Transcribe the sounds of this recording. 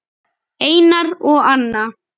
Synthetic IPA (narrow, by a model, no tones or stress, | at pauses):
eːjnaɾɔɣanːa